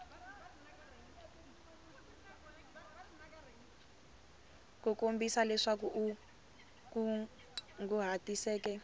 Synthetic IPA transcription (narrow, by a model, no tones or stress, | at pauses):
kukombisalɛʂak̬uʔu | ku | ŋɡuɦatisɛːkɛ